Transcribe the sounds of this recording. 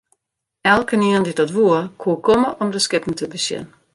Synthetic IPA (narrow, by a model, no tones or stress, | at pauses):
ɛlˠkəniəndidɔtʋuərkʰuəkʰoməʔɔmdəskɪpn̩tʰəbəsjɪ̰n